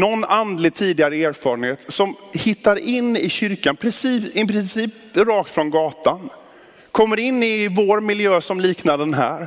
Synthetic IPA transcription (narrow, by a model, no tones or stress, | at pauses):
nɔnːand̪lɪɡ̚t̪ʰiːd̪ɪaɾəeːɾfɑːɾənheːt̪sɔmhɪt̪ːaɾɪnːɪɕʏɾkanpʰɾɪsiːɪpɾɪsiːp | ɾɑːkt̪fɾɔnɡɑːt̪an | kʰɔmːəɾɪnːɪvoɾmɪljøːsɔmliːknand̪ənɦæ̰ːɾ